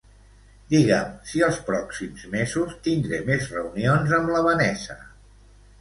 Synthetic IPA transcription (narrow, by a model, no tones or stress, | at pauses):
d̪iɣə̰msiəlˠspɾɔksimzmezust̪ind̪ɾemezrəunionzəmləβənɛsə̰